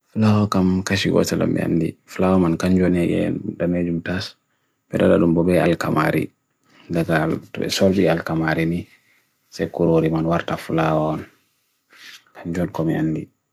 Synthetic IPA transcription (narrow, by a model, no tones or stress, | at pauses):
fulawɔkamkaʃiɡɔ̰salɔ̰mbɛ̰a̰nːdifulawamankaɲd͡ʒɔnɛʔɛ̰damed͡ʒumtas | bɛda̰ɗa̰ɗumbɔbɛalka̰ma̰ɾḭ | daɡaltɛ̰sɔɾbialkamaɾini | sɛkuɾoɾimanwaɾtafulawaɔn | kʰaɲd͡ʒɔnkɔmianːdi